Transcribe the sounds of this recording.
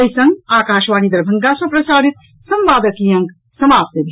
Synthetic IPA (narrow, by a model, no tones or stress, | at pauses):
ɐjsɐŋɡaːkaːʃʋaːnid̪ɐɾbʱɐŋɡasɐpɾɐsaːɾit̪̚ | sɐmʋaːd̪ɐkijɐ̃ŋɡ | sɐmaːp̚t̪eb̪ʱi